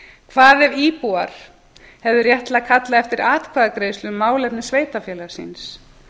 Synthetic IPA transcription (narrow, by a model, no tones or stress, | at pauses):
kʰvaːðɛviːpuaɾ̥ | hɛvðʏɾjɛht̪lakʰat̪laɛft̪ɪɾaːt̪kʰvaːðakɾeːjslʏmːaːwlɛpnɪsveːjt̪afjɛːlaɾ̥sḭns